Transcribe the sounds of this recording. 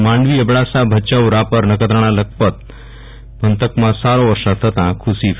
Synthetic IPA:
maɳɖʋiːebɽasabʱət͡ɕaʋɾapəɾnəkəd̪ɾəɽ̃alək̚pət̪̚ | bʱənt̪əkmasaɾõʋəɾʂat̪ʰːət̪ãkʰusif

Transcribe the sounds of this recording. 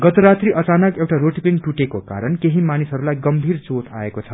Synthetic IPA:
ɡʌt̪oɾat̪riʔʌt͡sanʌkewʈaɾoʈipiŋʈuʈekoka̰ɾʌnkeɦimanisɦʌɾulajɡʌmbʱiɾt͡sot̪ʰa̰ekot͡sʰʌ

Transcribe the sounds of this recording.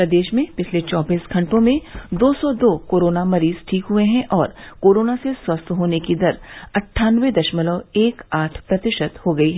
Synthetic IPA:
pɾɐd̪eːʃmẽpɪt͡ʃʰlet͡ʃɔːbiːsɡʱɐ̃ɳʈõmẽd̪oːsɔd̪oːkoːɾoːnamɐɾiːz̥ʈʰiːkɦʊeɦɛ̃ʔɔːɾkoːɾoːnaseswɐst̪ʰɦoːnekid̪ɐɾɐʈʰːaːnʋed̪ɐʃmələeːkaːʈʰpɾɐt̪ɪʃət̪hoɡɐiɦɛː

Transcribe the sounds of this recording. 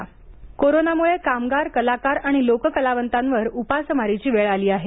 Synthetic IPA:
koɾonamuɭekamɡaɾkəlakaɾaɽ̃ilokəkəlaʋənt̪ãnʋəɾupasəmaɾit͡ɕiːʋeɭaliːaɦe

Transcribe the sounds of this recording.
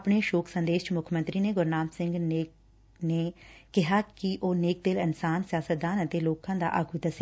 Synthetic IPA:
pɽeːʃoːkʰsə̃nd̪eːʃt͡ʃmʊkʰmə̃nt̪ɾiːneːɡʊɾnaːmsɪ̃ŋɡneːk | neːkɪɦaːkiʔoːneːk̚d̪ɪlɪnsaːnsɪjaːsəd̪aːnət̪eːloːkãːd̪a̰ːʔaɡud̪əsɛ

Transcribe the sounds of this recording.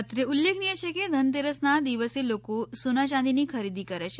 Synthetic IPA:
ət̪ɾeulːekʰniet͡ʃʰeked̪ʱənt̪eɾəsnad̪iʋəselokosunat͡ʃãnd̪inikʰəɾid̪ikəɾet͡ʃʰe

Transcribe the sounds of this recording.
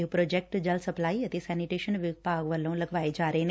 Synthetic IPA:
ɦpɾoːd͡ʒekk̚ʈd͡ʒɐlsɐplaːiɐt̪esɛniʈeːʃənʋipaːɡʋɐlːõlɐɡʋaːed͡ʒaːɾəɦːn

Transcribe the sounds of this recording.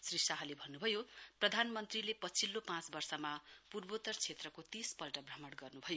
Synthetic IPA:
srisaɦalebʱʌnːubʱʌjoprʌd̪ʱanmʌnt̪rilepʌt͡sʰilːopãt͡sbʌrsʌmapurbot̪ʌrt͡sʰet̪rʌkot̪ispʌlʈʌbramʌɽɡʌrnubʱʌjo

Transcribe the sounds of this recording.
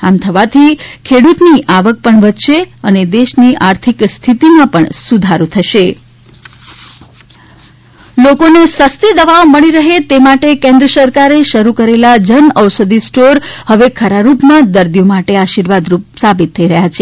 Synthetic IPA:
amt̪ʰəʋat̪ʰikʰeɽut̪niʔaʋək̚pəɳʋət̪ʃeəned̪eʃniʔaɾt̪ʰikst̪ʰit̪imãpəɳsud̪ʱaɾut̪ʰəʃe | lokonesəst̪id̪əʋaoməɽ̃iɾəɦet̪emaʈekẽnd̪ɾəsəɾkaɾeʃəɾukəɾelad͡ʒənəʋsəd̪isʈoɾhəʋekʰəɾaɾupmãd̪əɾd̪ijomaʈeaʃiɾʋad̪ɾupsabit̪ʰːəiɾəɦjat͡ʃʰe

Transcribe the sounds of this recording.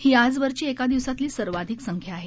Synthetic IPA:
hiːad͡zʋəɾt͡ɕiːekad̪iʋsat̪liːsəɾʋad̪ʱiksəŋkʰjaːɦe

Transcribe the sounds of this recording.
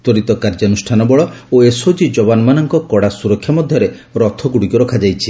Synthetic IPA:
t̪ɔɾit̪ɔkaɾd͡ʒanusʈʰanɔbɔɭɔoesod͡ʒid͡ʒɔbanɔmanɔŋkɔkɔɽasuɾɔkʰjɔmɔd̪ʱjɔɾe | ɾɔt̪ʰɔɡuɽikɔɾɔkʰad͡ʒajt͡ʃʰi

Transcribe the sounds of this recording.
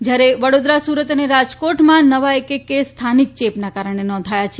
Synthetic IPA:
d͡ʒjaɾeʋəɽod̪ɾasuɾət̪əneɾad͡ʒkoʈmãnəʋaekekest̪ʰanik̚t͡ʃepnakaɾəɳ̃enɔ̃nd̪ʱajat͡ʃʰe

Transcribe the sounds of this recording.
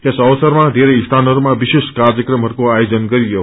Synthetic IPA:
kesəʋsəɾmãd̪ʱeɾeist̪ʰanəɾmãʋiʃɪʃkaɾd͡ʒəkɾəmɦəɾkoajod͡ʒənkəɾijo

